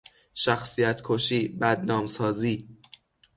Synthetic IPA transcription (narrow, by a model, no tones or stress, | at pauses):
ʃæxsijæt̪ʰkʰoʃiːbæd̪nɒːmsɒːziː